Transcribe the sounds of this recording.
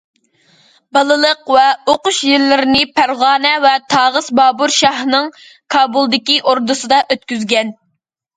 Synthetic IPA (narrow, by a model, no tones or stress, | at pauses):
bɑlˠɨlˠəqvɛoqʊʃjilːɪɾɪnɪpʰæɾʁɑːnɛvɛt̪ʰɑːʁəsbɑːbuɾʃɑɦnɨŋ | kʰɑːbulˠd̪ɪkʲiʔoɾd̪ɨsɨd̪ɑʔøt̪̚kʲyzɡʲɛn